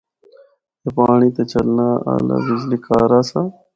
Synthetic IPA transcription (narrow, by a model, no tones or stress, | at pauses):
jepaːɳit̪ɐt͡ɕɐlnaːaːla̰ːbizlikaːɾaːsa